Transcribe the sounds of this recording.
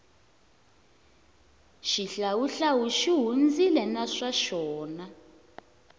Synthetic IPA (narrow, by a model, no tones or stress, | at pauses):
ʃiɬawuɬawuʃiɦund͡zilɛnaʂaʃɔːna